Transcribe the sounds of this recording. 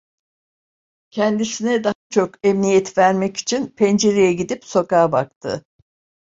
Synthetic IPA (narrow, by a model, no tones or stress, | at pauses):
cʰɛnd̪isinɛd̪aɦat͡ʃʰo̞kɛmnijɛt̪væɾmɛci̥t͡ʃʰinpʰɛnd͡ʒeɾejɛɟid̪ipso̞kaːbakt̪ʰɯ̰